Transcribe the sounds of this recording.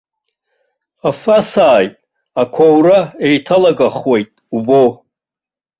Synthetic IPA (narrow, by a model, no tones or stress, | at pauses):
afasaːjtʼ | akʷʰowɾaejtʰalaɡaχwe̞jtʼubo